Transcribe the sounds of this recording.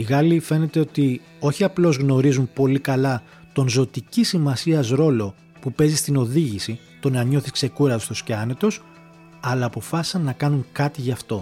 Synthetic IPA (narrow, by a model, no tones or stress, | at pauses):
iɣɐlife̞ne̞t̪e̞o̞t̪i | o̞çiɐplo̞zɣno̞ɾizumpo̞likɐlɐ | t̪o̞nzo̞t̪icisimɐsiɐzɾo̞lo̞ | pupe̞zist̪ino̞ðiʝisi | t̪o̞nɐɲo̞θiskse̞kuɾɐðost̪osceɐne̞t̪o̞s | ɐlɐːpo̞fɐsi̥sɐnːɐkɐnuŋkɐt̪iʝɐft̪o̞